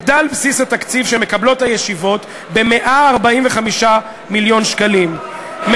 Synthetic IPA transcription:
d̪albsisat̪akt͡sivʃeme̞kablo̞thajeʃivo̞t | be̞me̞ʔaːʁbaimveχamiʃa | miljo̞nʃkalim | m

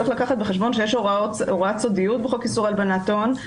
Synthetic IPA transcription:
eχlakaχat̪̚beχeʃbo̞nʃejeʃoʁooʁat͡sodijut̪̚beχokisuʁalbanat̪o̞n

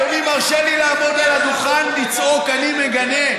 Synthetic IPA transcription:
omimaʁʃelilaːmo̞d̪alad̪uχanlit͡sokanimeɡane

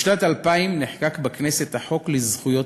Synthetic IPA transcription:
ʃnat̪alpaimniħkakbakneset̪aħo̞klizχujo̞

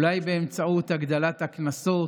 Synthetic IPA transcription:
lajbeemt͡saut̪haɡd̪alat̪haknaso

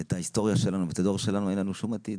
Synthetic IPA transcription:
et̪aist̪o̞ʁjaʃelanuvet̪ad̪o̞ʁʃe̞lanuenlanuʃumat̪id

